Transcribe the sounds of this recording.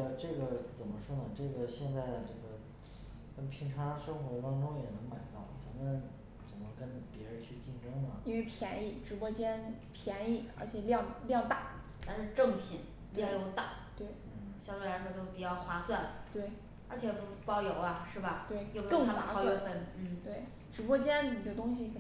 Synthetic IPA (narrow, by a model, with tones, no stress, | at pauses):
ʈ͡ʂɤ˥˩ɡə˩t͡sə˨˩nmə˦ʂwɔ˥nə˨ʈ͡ʂɤ˥˩ɡə˩ɕjɛ˥˧nt͡sa˥˩ɪ˩ʈ͡ʂɤ˥˩ɡə˩ | kə˥npʰi˧˥ŋʈ͡ʂʰa˧˥ʂɤ˥ŋxwɔ˧˥t̪ɑ˥ŋʈ͡ʂʊ˥ŋjɛ˨˩nɤ˧˥ŋma˨˩ɪt̪ɑ˥˩ʊt͡sa˧˥mə˨n | t͡sə˨˩nmə˦kə˥npjɛ˧˥ɻə˧˥nt͡ɕʰy˥˧t͡ɕi˥˩nʈ͡ʂɤ˥ŋnə˨i˥nwe˥˧ɪpʰjɛ˧˥ni˥˩ʈ͡ʂɻ̩˧˥pwɔ˧˥t͡ɕjɛ˥npʰjɛ˧˥ni˥˩ə̰˞˧˥t͡ɕʰjɛ˨˩ljɑ˥˧ŋljɑ˥˧ŋt̪a˥˩ | t͡sa˥˧nʂɻ̩˥˧ʈ͡ʂɤ˥˩ŋpʰi˨˩˦n | t̪jo˥˩˧t̪a˥˩ | t̪we˥˩ɪn̩˥˩ɕjɑ˥˧˥wɛ˥˩a˧˥kʰo˥˩t͡ɕjo˥˩ʊpi˨˩t͡ɕjɑ˥˩ʊxwa˥swa˥˩n˩t̪we˥˩ɪ | ə˞˧˥t͡ɕʰjɛ˨˩pjɑ˥ʊjo˨˩˦ʊɐ˧ʂɻ̩˥˩bɐ˩t̪we˥˩ɪjo˥˧ʊkɤ˥˩ŋ˥a˧˥sfə˥˩nn̩˥˩t̪we˥˩ɪ | ʈ͡ʂɻ̩˧˥pwɔ˥t͡ɕjɛ˥nni˨˩d̪ə˦t̪ʊ˥ŋɕ̬i˨